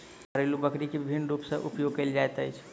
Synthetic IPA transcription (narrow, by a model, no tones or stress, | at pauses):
əɾelubəkɾikebibʱinːɾupsə̃ʔupjoɡ̚kəld͡ʒajt̪əjt͡ʃʰ